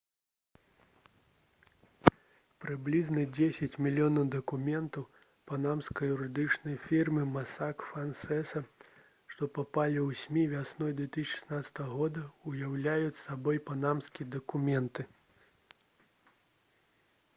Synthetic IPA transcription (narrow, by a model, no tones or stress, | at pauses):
pɾɨblʲiznɐd͡zʲesʲɐt͡sʲmʲilʲːjɔnɐwd̪ɐkumʲɛnt̪ɐw | panamskɐjuɾɨd̪ɨt͡ʂnɐjfʲirmɨmasakfansɛsɐ | ʂt̪ɔpapalʲiwsʲmʲivʲasnɔjd̪vʲɛt̪ɨsʲt͡ʃʲʂɨ̥snat̪sɐ̥t̪ɐɣɐɣɔd̪ɐujawlʲajut͡sʲsabɔjpanamskʲiɐd̪ɐkumʲɛnt̪ɨ